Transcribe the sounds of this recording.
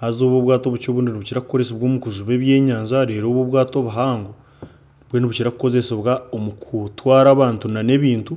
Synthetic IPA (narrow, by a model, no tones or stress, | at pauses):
hazo̞ːβoβwaːto̞βut͡ʃo̞ːβuːndiniβuciɾaku̥ko̞ɾeseβwoːmukuzuβe̞βje̞ːɲaːɲzaɾe̞ːɾo̞ːβoβwaːto̞βuɦaːŋɡo | βweniβuciɾakuko̞ze̞seβwaomukutwaːɾaːβaːntunane̞βiːntu